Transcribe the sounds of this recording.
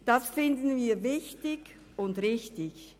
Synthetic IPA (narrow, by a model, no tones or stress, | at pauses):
d̥asfɪndən̩viːɐvɪçtɪɡ | ʊndʁɪçtɪç